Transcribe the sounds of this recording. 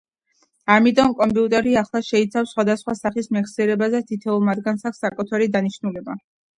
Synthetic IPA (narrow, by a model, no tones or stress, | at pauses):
amit̪ʼɔmkʼɔmpʼiut̪ʼɛɾiaχlˠaʃɛit̪sʰafsχwad̪asχwasaχismɛksiɛɾɛbazɛt̪ʰit̪ʰɛulˠmad̪ɡansaksakʼɔt̪ʰɛɾid̪aniʃnulɛba